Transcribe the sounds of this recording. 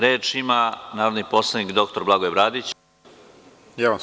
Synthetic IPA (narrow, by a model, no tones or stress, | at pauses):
ɾe̞ːt͡ʃimanaːɾod̪nipo̞slˠanikd̪o̞k̚t̪o̞ɾblaɡojebɾaːd̪it͡ɕ | jaam